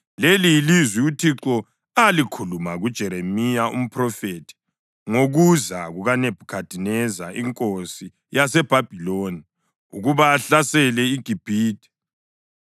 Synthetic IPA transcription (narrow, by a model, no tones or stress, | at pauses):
lelilizwiutʰiǁɔ | alikʰulumaɣud̥ʒ̥ʱɛɾemijaṵm̩pʰrɔfetʰi̥ | ŋoɣuzaɣuɣaneb̥ʱukʰad̥ʱinɛza̰iŋkʼosi | jasɛb̥ʱab̥ʱiloːni | ṵɣuβaːɬasɛlɛiɡ̥ʱib̥ʱiːtʰʼi̥